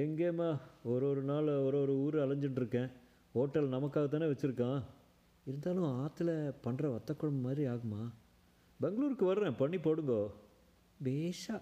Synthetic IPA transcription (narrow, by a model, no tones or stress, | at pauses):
ɛŋɡeːmaːɔɾoːɾɯnaːlɔɾoːɾɯuːɾɯɐlɐɲd͡ʒɯɳɖɪɾɯkːẽː | hoːʈːɐlnɐmɐkːaːɣɐt̪̬ːaːneːʋɐt͡ʃːɪɾɯkːãː | ɪɾɯnd̪aːlʊ̃aːt̪ːɪlɐpɐɳːɾɐʋɐt̪ːɐkːʊɽɐmɐmaːd̪ɾiaːɣɯmːaː | bɛŋɡɐɭuːɾɯkːɯʋɐɾɾẽːpɐɳːipoːɽɯŋɡoː | beːʂaː